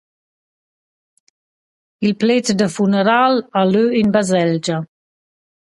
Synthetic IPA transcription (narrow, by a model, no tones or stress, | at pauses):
ilpletd̪əfunəɾalaløinbazɛld͡ʒa